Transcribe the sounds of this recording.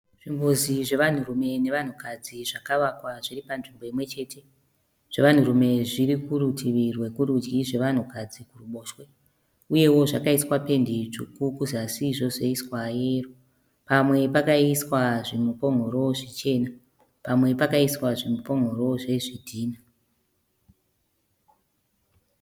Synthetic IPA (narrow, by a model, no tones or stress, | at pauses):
ʐ̥imbuziʐe̞ʋan̤uɾume̞ne̞ʋan̤ukad͡ziʐakaʋakwaʐ̥iripanʐimbo̞imwe̞t͡ʃe̞tʰe̞ | ʐ̥e̞ʋan̤uɾume̞ʐiɾikuɾutiʋirwe̞kuɾud͡ʒɡiʐe̞ʋan̤ukad͡zikuruɓo̞ːʃwe̞ | uje̞wo̞ʐakaiswape̞ndiʐukukuzasiʐo̞ʐeiswaje̞ːro | pamwe̞pakaiswaʐimupo̞ŋɡo̞ɾo̞ʐit͡ʃe̞ːna | pamwe̞pakaiswaʐimupo̞ŋɡʱo̞ɾo̞ʐe̞ʐidʱiːna